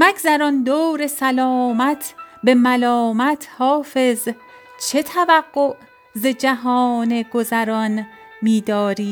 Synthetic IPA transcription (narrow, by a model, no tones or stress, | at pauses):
mæɡzæɾɒnd̪oːɾe̞sælɒːmæt̪ʰbe̞mælɒːmæt̪ʰhɒːfe̞z | t͡ʃʰe̞t̪ʰævæɡɢːoʔ | zed͡ʒæɦɒːneɡo̞zæɾɒnmiːd̪ɒːɾiː